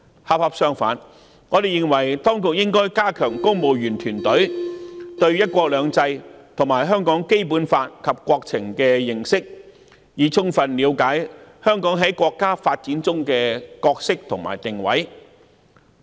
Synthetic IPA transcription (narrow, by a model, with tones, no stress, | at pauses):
ha˧p̚hɐ˧p̚sœː˥ŋfa̰ː˨˥n | ŋɔː˨˧d̪e˨jɪ˨˧ŋwɐ˨˩jt̪ɔː˥ŋkʊ˨k̚jɪ˥ŋkɔː˥jkaː˥kʰœː˨˩ŋkʊ˥ŋmo˨˧wjyː˨˩nt̪ʰyː˨˩nt̪ɵ˨˥ɥt̪ɵ˧ɥjɐ˥t̚kʷɔː˧k̚lœː˨˧ŋt͡sɐ˧jt̪ʰʊ˨˩ŋmaː˨˩jɦœː˥ŋkɔː˨˥ŋke˥jpuː˨˥nfaː˧t̚kʰɐ˨p̚kʷɔː˧k̚t͡sʰɪ˨˩ŋkɛː˧jɪ˨˩ŋsɪ˥k̚ | jiː˨˩t͡sʰʊ˥ŋfɐ˨nliː˨˧wkaː˨˥jhœː˥ŋkɔː˨˥ŋɦɐ˨˥jkʷɔː˧kːaː˥faː˧t̚t͡siː˨˥nt͡sʊ˥ŋkɛː˧kɔː˧k̚sɪ˥k̚t̪ʰʊ˨˩ŋma̰ː˨˩jt̪ɪ˨ŋwɐ̰˨˥j